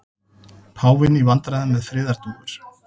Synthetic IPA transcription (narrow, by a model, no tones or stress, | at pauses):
pʰaːwvɪnivant̪ɾaðɪnmɛðfɾɪːðaɾ̥t̪uːɣɪɾ̥